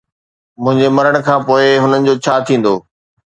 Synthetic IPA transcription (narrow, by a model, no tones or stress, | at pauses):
mʊ̃ɦɪ̃ɲd͡ʑemɐɾəɽ̃kʰãːpoːɪɦʊnənɪ̆d͡ʑoːt͡ɕʰaːt̪ʰĩːn̆d̪oː